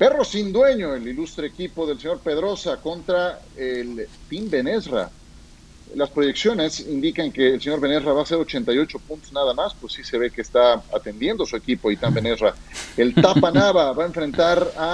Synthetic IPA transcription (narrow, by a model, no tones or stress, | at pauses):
pe̞ro̞sind̪we̞ɲo̞elilust̪ɾe̞ːkipo̞ðe̞lse̞ɲo̞ɾpe̞ðɾo̞sako̞nt̪ɾaelt̪imbe̞nezra̰ | laspɾo̞ʝe̞ksjo̞ne̞sind̪ikaŋke̞ːlse̞ɲo̞ɾβe̞ne̞sraβaːse̞ɾo̞t͡ʃe̞nt̪ajo̞t͡ʃo̞punt̪o̥znaðamaspwesise̞β̞e̞keːst̪aa̰t̪e̞nd̪je̞nd̪osue̞kipo̞it̪ambe̞ne̞srae̞lt̪apanaβaβae̞ɱfɾe̞nt̪aɾa